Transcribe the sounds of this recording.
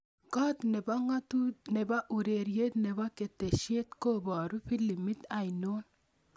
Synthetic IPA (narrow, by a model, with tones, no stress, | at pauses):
kɔ˦t̪ne˨ba˦ŋa˦tu˦ne˨ba˦ʔu˨ɾe˨ɾje˦t̪ne˨ba˦ke˨t̪e˨ʃje˦t̪ko˦bɔ˨ɾu˦pi˦li˨mi˦t̪a˨jno˦n